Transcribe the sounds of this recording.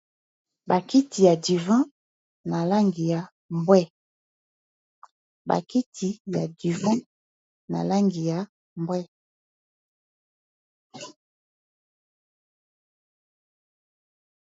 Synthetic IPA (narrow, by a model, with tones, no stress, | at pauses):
ba˨ki˦ti˨ja˨di˨vã˦ | na˨la˦ŋɡi˨ja˨ | mbwɛ˦ | ba̰˨ki˦tʰi˨ja˨di˨vã˦ | na̰˨la˦ŋɡi˨ja˨˦ | mbwɛ˦